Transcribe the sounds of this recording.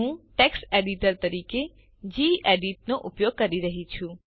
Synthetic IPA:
ũʈekseɖiʈəɾt̪əɾike | d͡ʒiʔeɖiʈ̚noʔupjoɡ̚kəɾiɾəɦit͡ʃʰũ

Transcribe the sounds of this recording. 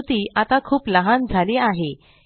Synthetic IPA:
t̪iːʔat̪akʰuːpləɦand͡zʱaliːaɦe

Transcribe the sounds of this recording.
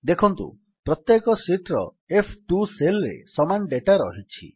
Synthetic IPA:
d̪ekʰɔnt̪ṵ | pɾɔt̪jekɔsiʈɾɔ | epʰʈuselɾḛsɔmanɖeʈaɾɔɦit͡ʃʰḭ

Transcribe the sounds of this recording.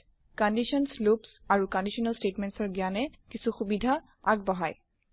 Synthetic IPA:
kɔndiʃɔnslupsaɹukɔ̃ndiʃɔnalstetmɛntsɔɹɡianɛkisuxubidʱa | aɡ̚bɔɦaj

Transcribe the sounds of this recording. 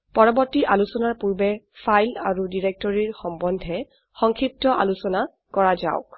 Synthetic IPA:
pɔɹɔbɔɹtiʔalusɔnaɹpuɹbɛ | pʰajla̰ɹudiɹɛk̚tɔɹiɹxɔmbɔndʱɛ | xɔŋkʰip̚tɔʔa̰lusɔna | kɔɹaza̰ʊk̚

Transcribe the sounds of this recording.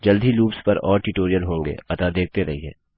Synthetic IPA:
d͡ʒɐld̪ʱiluːpspɐɾɔ̰ːɾʈɪʈoːɾijəlɦõːŋɡḛːpɐt̪ad̪eːk̚t̪eɾɐɦiɦɛ̰ː

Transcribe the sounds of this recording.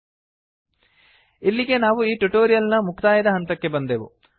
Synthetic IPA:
ilːiɡe̞naːʋuiːʈuʈoːɾijɐlnɐmukʰt̪aːjɐd̪ɐɦɐnt̪ɐkːe̞bɐnd̪eːʋṵ

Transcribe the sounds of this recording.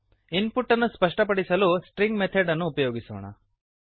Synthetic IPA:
inpuʈːɐnːuspɐʂʈɐpɐɽisɐluːsʈɾiŋɡmet̪ʰɐɖɐnːuːpɐjoːɡiso̰ːɳɐ̰

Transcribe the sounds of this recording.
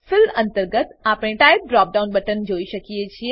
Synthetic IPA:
fɪlə̃nt̪əɾɡət̪apɽ̃eʈaip̚ɖɾɔp̚ɖaunbəʈənd͡ʒoiʃəkiet͡ʃʰie

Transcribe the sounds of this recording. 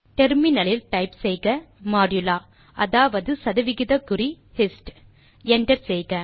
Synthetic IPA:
ʈɛɾmɪnɐlɪlʈɐɪpsɛjɣɐ | maːɖjɯlaː | ʔɐðaːʋɐðɯsɐðɐʋɪɣɪðɐkːɯɾi | hɪsʈ | ɛɳɖɐɾsɛjɣɐ

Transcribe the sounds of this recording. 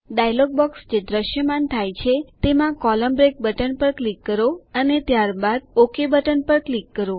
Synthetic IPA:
ɖajlɔɡ̚bɔksd͡ʒed̪ɾəʃjəmant̪ʰajt͡ʃʰet̪emãkɔləmbɾek̚bəʈənpəɾklikːəɾoənet̪jaɾbad̪̚okʰebəʈənpəɾklikːəɾo

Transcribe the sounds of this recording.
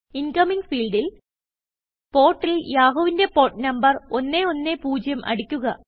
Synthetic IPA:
inkɐmiŋɡfiːɭɖil | po̞ːrʈːiljaːɦoːʋinde̞po̞ːʈnɐmbɐro̞nːe̞o̞nːe̞puːd͡ʑjɐmʔɐ̰ɽikʲːuɣɐ

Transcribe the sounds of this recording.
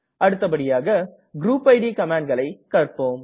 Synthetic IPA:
ɐɽɯt̪ːɐpɐɽɪjaːɣɐ | ɡɾuːpɐɪɽikɐmaːɳɖɡɐɭɐɪkɐrpoːm

